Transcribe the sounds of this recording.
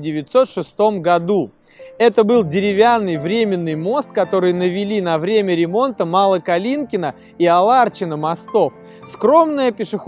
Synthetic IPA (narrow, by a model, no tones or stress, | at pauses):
dʲɪvʲɪt̪so̞t̪ʂɨst̪o̞mɡɐd̪u | ɛt̪əbɨlˠdʲɪɾʲɪvʲanːɨjvɾʲemʲɪnːɨjmo̞st̪̚kɐt̪o̞ɾɨjnəvʲɪlʲinɐvɾʲemʲəɾʲɪmo̞nt̪əmalˠəkɐlʲinkʲɪnə | iɐlˠart͡ɕɪnəmɐst̪o̞f | skɾo̞mnəjəpʲɪʂɨx